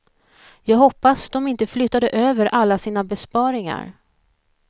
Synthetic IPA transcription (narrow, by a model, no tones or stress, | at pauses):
jɑːɡɦɔpːasd̪ɔmɪnt̪əflʏt̪ːad̪əʔøːvəɾʔalːasiːnabɛspɑːɾɪŋa̰ɾ